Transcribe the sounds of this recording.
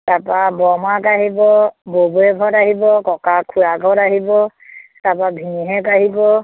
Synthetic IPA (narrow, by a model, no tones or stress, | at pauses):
tapabɔmakaɦibɔbobuɛɡʱɔɾaɦibɔkɔkakʰuaɡʱɔɾaɦibɔtapabʱiniɦɛkaɦibɔ